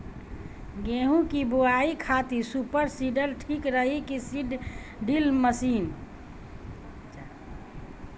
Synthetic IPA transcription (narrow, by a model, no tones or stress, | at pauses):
ɡeɦũkiboaikʰat̪isupəɾsiɖəlʈʰikɾəɦikisiɖɖilməsiːn